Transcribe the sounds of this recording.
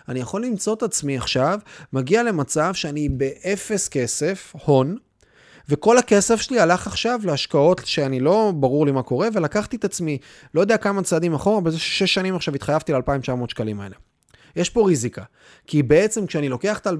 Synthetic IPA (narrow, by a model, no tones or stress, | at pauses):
anijaχo̞lːimt͡so̞t̪at͡smiaχʃavmaɡiale̞mat͡savʃeanibe̞ʔefe̞ske̞se̞fho̞n | ve̞ko̞lake̞sefʃelialaχaχʃavleaʃkao̞tʃeanilo̞baʁuʁlimako̞ʁe̞ve̞lakaχt̪iet̪at͡smi | lojo̞d̪eakamat͡saːd̪imaχo̞ʁabezeʃe̥ʃe̞ʃːanimaχʃavit̪χajavt̪ilealpaimt͡ʃamo̞ːtʃkalimae̞le̞ | jeʃpo̞ʁizika | kibe̞et͡se̞mkʃeanilo̞ke̞aχt̪al